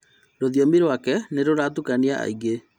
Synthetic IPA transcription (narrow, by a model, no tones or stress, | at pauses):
ɾoðijɔmiɾowakɛneɾoɾatukaniaa̰iɡe